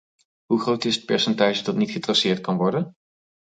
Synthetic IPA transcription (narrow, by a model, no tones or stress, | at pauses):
ɦuχrowtɪsət̚pɛɹsɛntaːʒədɑtnitχətrɑsɪːɹt̚kɑnʋɔɹdən